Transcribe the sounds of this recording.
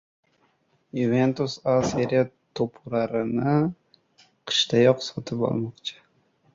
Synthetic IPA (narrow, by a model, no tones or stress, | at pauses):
juve̞nt̪usaseɾiat̪ʰopʰʊɾaɾɪnɪ | qʰɨ̥ʃt̪ʰajɒqsɒt̪ʰɪpɒ̰lˠmɒqt͡ʃʰɪ̥